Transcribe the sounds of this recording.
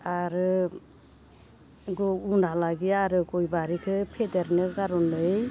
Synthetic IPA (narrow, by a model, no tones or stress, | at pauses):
aɾɯ | ɡɔunʱalaɡiaɾɯɡɔjbaɾikʰɯpʰedeɾnɯɡaɾɔnɯj